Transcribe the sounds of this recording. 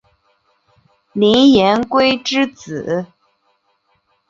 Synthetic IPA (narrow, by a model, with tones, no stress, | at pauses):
li˧˥njɛ˧˥nkwe˥ɪʈ͡ʂɻ̩˥t͡sɹ̩˨˩˦